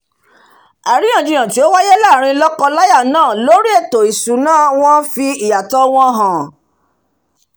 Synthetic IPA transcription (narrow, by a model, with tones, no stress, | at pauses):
a˨ɾĩ˨˦jã˦˨d͡ʒĩ˧j̃ã˨ti˨o˦wa˦je˦la˦˨ɾ̃ĩ˧lɔ˦kɔ˧la˦ja˦˨nãː˦˨lo˦ɾi˦e˦˨to˨i˨su˨˦nãː˦˨w̃ɔ̃˦fi˧i˨ja˨tɔ˧˦w̃ɔ̃˧ɦã˨